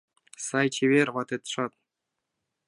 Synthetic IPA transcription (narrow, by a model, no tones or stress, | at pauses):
sɑjt͡ɕʰeβʲerʲʋɑt̪ĕt̪ʂɑt̪̚